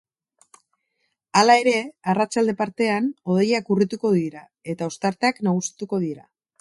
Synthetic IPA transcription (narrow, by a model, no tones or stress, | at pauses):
alae̞ɾe̞arat͡ʃald̪e̞paɾt̪e̞ano̞ð̞e̞jakurit̪uko̞ðiɾa | e̞t̪ao̞st̪aɾt̪e̞aknaɣusi̥t̪uko̞ð̞iɾa̰